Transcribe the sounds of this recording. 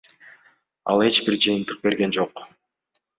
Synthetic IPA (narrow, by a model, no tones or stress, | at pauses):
ɑ̰lˠe̞t͡ʃbiɾd͡ʒɯjɯnt̪ɯq̚be̞ɾɡe̞nd͡ʒo̞q